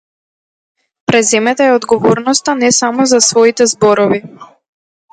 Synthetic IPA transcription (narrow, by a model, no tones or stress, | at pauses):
pɾɛzɛmɛt̪aɛɔd̪ɡɔvɔɾnɔst̪anɛsamɔzasvɔit̪ɛzbɔɾɔvi